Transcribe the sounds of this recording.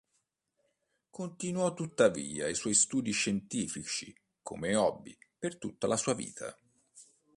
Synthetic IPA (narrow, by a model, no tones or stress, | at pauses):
kʰont̪inwɔt̪ːut̪ːavḭːa̰iswɔjst̪uːd̪iʃent̪iːfit͡ʃi | kʰo̰meɔbːipert̪ut̪ːalasuːavḭːt̪ʰa̰